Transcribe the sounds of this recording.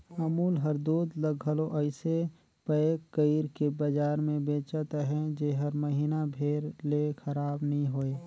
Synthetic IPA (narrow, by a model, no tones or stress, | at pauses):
əmuːlɦəɾd̪uːd̪ləɡɦəloʔəɪse | pəekːəiɾkebəd͡ʒaːɾmẽbeːt͡ʃət̪ɦɛ̃d͡ʒeɦəɾməɦiːnabʱeːɾlekʰəɾaːbnəɦĩɦoːeː